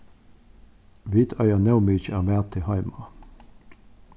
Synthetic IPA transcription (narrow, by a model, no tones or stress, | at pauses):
ʋiːt̪ʰœʏənɛʊmyːt͡ʃæːʁmeːʁt̪ʰɪhɑɪmɑ